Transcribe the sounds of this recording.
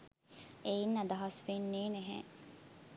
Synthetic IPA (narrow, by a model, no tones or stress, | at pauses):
einːɐd̪ɐɦɐsʋinːiːneɦḛ̃